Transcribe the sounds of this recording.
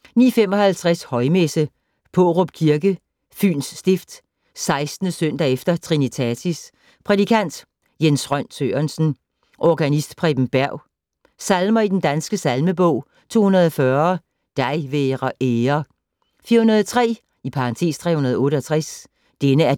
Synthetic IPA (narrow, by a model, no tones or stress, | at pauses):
nḭːfemɒ̽hælt͡sʰʁashɒ̽ɪmesə | pʰɔʁɔb̥kʰiɐɡ̥ə | fy̰ːnsːd̥efd̥ | sɑ̈ɪsd̥n̩əsøn̰d̥ɛefd̥ɐt͡sʰʁinit͡sʰæt͡sʰis | pʰʁɛd̥ikʰæn̰d̥ | jensʁɶn̰sʰø̰ɐnsn̩ | ʔɒɡ̥ænisd̥pʰʁɛb̥m̩b̥æɐ̰ʊ | sælmɐid̥end̥ænsɡ̥əsælməb̥ɔ̰̽ʊ̰ | t͡sʰo̝̰ːhunɐðˠɒfɶɐ | d̥ɑ̈ɪʋeːʁɐʔeːɐ | fiːɐhunɐðˠt͡sʰʁɛ̰ː | ipʰɑ̈ʁɑ̈nt͡sʰe̝̰ːst͡sʰʁɛ̰ːhunɐð̞ˠɔ̽ːɾəɒt͡sʰʁas | d̥enəæɐ